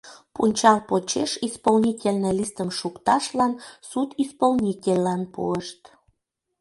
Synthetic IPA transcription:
punʲt͡ɕɑlpot͡ɕeʃispolnʲitʲelʲnelist̪əmʃukt̪ɑʃlɑnsut̪ispolnʲitʲelʲːɑnpṵəʃt̪

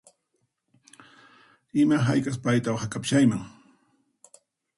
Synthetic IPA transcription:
ɪmaɦajkʼaspajt̪awχakapʃajmaŋ

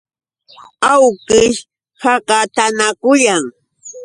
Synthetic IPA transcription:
awkɪʃ | hɑɢɑt̪anakʊjaŋ

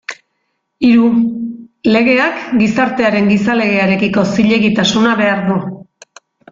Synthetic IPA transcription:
iɾu | le̞ɣ̞e̞akɡisaɾt̪e̞aɾe̞ŋɡisale̞ɣ̞e̞aɾe̞kiko̞siʎe̞ɣit̪asunaβe̞aɾðu

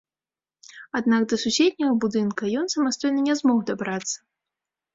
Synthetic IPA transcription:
ad̪nakd̪ɐsusʲed̪ʲnʲɐɣɐbud̪ɨnkɐjɔnsɐmast̪ɔjnɨnʲɛzmɔɣd̪abɾat̪sːɐ̥

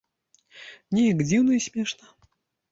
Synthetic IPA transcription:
nʲɛjakd͡zʲiwnɐisʲmʲɛʂnɐ

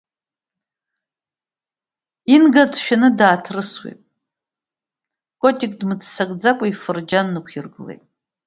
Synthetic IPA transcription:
inɡatʰʃᶣanɨdaːtʰrɨswḛpʼ | kʼotʼikʼdmɨt͡sʰsakʼd͡zakʷʼaifɨrd͡ʒanːɨkʷʰirɡɨlejtʼ

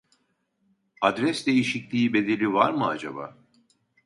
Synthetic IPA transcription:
ad̪ɾɛsd̪e̞jiʃiclʲiːbe̞d̪e̞lʲivaɾmɯad͡ʒaba̰ː

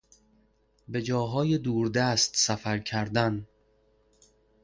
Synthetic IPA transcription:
be̞d͡ʒɒːɦɒːjed̪uːɾd̪æst̪sæfæɾcʰæɾd̪æn

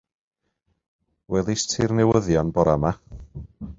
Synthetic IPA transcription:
wɛðˠɪstʰɪrnɛwəðjɔnbɔɾama

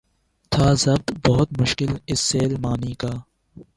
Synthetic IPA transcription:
t̪ʰaːzɐb̚t̪bɐɦʊt̪mʊʃkɪlɪsːeːlmaːniːkaː

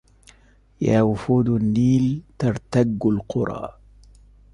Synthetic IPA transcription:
jaːwʊfuːd̪nːiːlt̪ɑɾˤt̪aɡːalqʊɾˤɑ̰ː

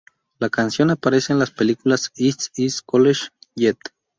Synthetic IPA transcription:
lakansjonapaɾeseːnlaspelikulasisiskoleʃjet̪

